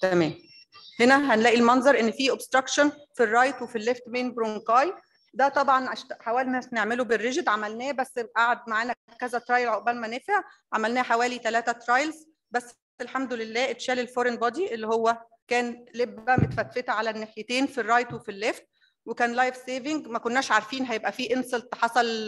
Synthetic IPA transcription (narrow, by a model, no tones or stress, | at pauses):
t̪æmæːm | henæɦænlæːʔilmɑnzˤɑɾˤʔenːfiːʔobst̪ɾɑkʃonfirˤːɑjt̪wefilːeft̪menbɾokɑːj | d̪æt̪ˤɑbʕɑnʔæʃt̪ħawæːlinæsneʕmeloberːeʒed̪ʕamælnæːbæsːʔaʕad̪̚maʕaːnækækæzæt̪ɾɑjlʕoʔbælmænefeʕʕamælnæːħawæːlit̪ælæːt̪æt̪ɾˤɑjlz | bæsː | elħamd̪olelːæːʔet̪ʃæːlelfoɾenbɑd̪iʔelːihowːæ | kæːnlebːæmet̪fæt̪fet̪æʕalænːeħjet̪eːnfirːɑjt̪wefilːeft̪̚ | wekæːnlɑjfseːvɪŋɡmækonːæːʃʕaɾˤfiːnɦæjebʔæfiːʔenselt̪ħɑsˤɑl